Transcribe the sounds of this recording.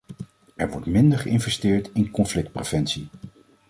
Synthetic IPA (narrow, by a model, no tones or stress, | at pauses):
ɛɹʋɔɹtmɪndəɹχəɪnvɛstɪːɹtɪnkɔnflɪk̚t̚prev̥ɛnsi